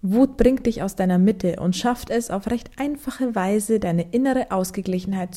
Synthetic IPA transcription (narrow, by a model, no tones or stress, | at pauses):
vuːt̚b̥ʁɪŋt̚d̥ɪçaʊsd̥aɪnɐmɪtʰəʔʊ̰ntʃaftɛsa̰ʊfʁɛçtʔaɪnfaχəvaɪzədaɪnəʔɪnəʁəʔaʊsɡ̥əɡlɪçn̩haɪt̚t͡s